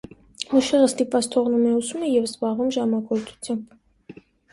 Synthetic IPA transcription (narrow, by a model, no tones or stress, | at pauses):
muʃɛʁəst̪ipvɑt͡sʰt̪ʰɔʁnumɛusumɛjɛvzbɑʁumʒɑmɑɡɔɾt͡sʰu̥t͡sʰjɑmb